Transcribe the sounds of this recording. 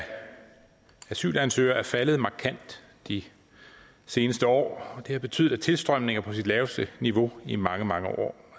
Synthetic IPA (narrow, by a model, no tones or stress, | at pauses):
æsy̰ːlænsø̰ːɐæɐfæləð̩ˠmɑ̈ːkʰæn̰d̥ | i | se̝ːnəsd̥əɒ̰ːɒ̽d̥e̝hɑ̈b̥e̝t͡sʰy̰ð̰̩̥ˠæt͡sʰe̝lsd̥ʁɶm̰ne̝ŋɐpʰɒ̽sid̥lɛːʊsd̥əniʋo̝imɑ̈ŋəmɑ̈ŋəʔɒ̰ː